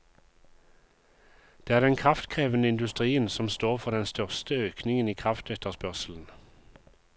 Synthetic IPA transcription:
d̪̥eːæːʁd̪ɛnkʰʁɑft̪kʰʁeːʋənəɪnd̪ʉst̪ʁiːənsɔmst̪oːʁfɔʁd̪ɛnst̪œʁst̪əøːknɪŋəniːkʰʁɑft̪ɛt̪əʁspœʁsl̩n̩

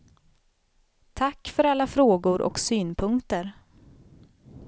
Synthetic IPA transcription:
t̪ʰakːfœɾalːafɾoːɡʊɾʔɔ̰ksyːnpʰɵŋkt̪əɾ

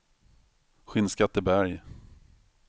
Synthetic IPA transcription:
ɧɪnskat̪ːəbæɾj

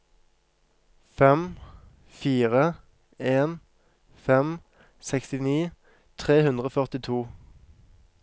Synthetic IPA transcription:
fɛm | fiːʁə | eːn | fɛm | sɛkst̪ɪniː | t̪ʰʁeːhʉnd̪ʁəoːfœʁt̪ɪt̪ʰuː

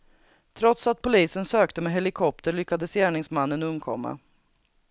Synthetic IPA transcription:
t̪ʰɾɔt̪sat̪̚pʰʊliːsənsøːkt̪əmɛɦɛlɪkʰɔp̚t̪əɭʏkːad̪əsjæːɳɪŋsmanːənɵmkʰɔmːa̰

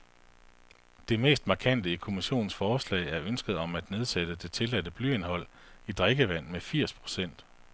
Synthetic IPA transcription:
d̥e̝me̝̰ːsd̥mɑ̈kʰæn̰d̥əikʰo̝miɕo̝̰ːn̩sfɒːslɛ̰ɪæɐønsɡ̥ð̩ˠɒ̽mæd̥ne̝ð̞ˠsed̥əd̥e̝t͡sʰe̝læd̥əb̥ly̰e̝nɦɒ̽l̰id̥ʁeɡ̥əʋæn̰mefiɐ̰spʰʁo̝̥sen̰d̥

